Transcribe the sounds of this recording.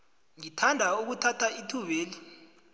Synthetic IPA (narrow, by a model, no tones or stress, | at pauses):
ŋitʰandʱauk̬utʰatʰaitʰuβeːli